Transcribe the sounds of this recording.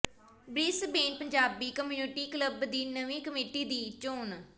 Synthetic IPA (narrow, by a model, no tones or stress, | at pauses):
bɾiːsbeːnpəɲd͡ʒaːbiːkəmjuːnɪʈiːkləbd̪iːnəʋĩːkəmeːʈiːd̪iːt͡ʃoːn